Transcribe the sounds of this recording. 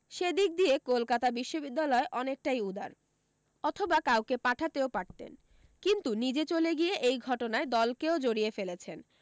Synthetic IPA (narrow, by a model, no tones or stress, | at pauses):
ʃed̪ik̚d̪ijekolkat̪abiʃːobid̪ːalɔeʔɔnek̚ʈajud̪a̰ɾ | ɔt̪ʰobakawkepaʈʰat̪eopaʈ̚t̪ḛn | kint̪unid͡ʑet͡ɕoleɡieʔejɡʱɔʈonaed̪ɔlkeod͡ʑoɽiefelet͡ɕʰen